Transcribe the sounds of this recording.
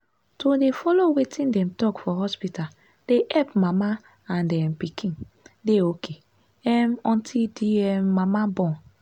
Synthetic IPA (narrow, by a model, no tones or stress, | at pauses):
todefɔlowetʰĩndɛ̃mtɔkfɔɦɔspital | d̥eʔɛpmama | ãndɛm̩pikʰĩn | deokʰe | ɛmɔ̃ntʰidiɛmːamabɔ̃n